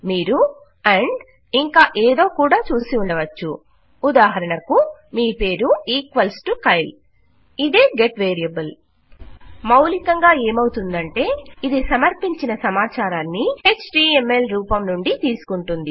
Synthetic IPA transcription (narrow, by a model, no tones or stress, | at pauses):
miːɾu | ɐɳɖ | iŋkaːʔeːd̪o̞ːkuːɽaːt͡ʃuːsiuɳɖɐʋɐt͡ʃːuː | d̪aːɦɐɾɐɳɐkumiːpe̞ːɾuiːkʋɐlsʈukɐjl | id̪e̞ːɡe̞ʈʋeːɾijɐbul | mɐwlikɐŋɡaːe̞ːmɐwut̪und̪ɐɳʈe̞ːid̪isɐmɐɾpiɲt͡ʃinɐsɐmaːt͡ʃaːɾaːnːiheːt͡ʃʈiːemːe̞lɾuːpɐmnuɳɖit̪iːsu̥kuɳʈund̪i